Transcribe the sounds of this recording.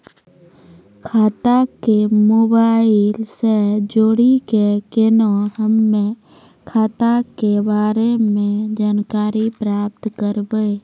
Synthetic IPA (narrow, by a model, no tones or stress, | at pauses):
kʰaːt̪akemoːbaːɪlsed͡ʒoːɽikekenohəmːẽ | kʰaːt̪akebaːɾemẽd͡ʒaːnkaːɾipɾaːp̚t̪kəɾbee